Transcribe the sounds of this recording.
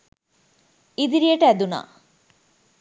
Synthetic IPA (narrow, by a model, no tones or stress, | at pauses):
id̪iɾijəʈəæd̪una̰ː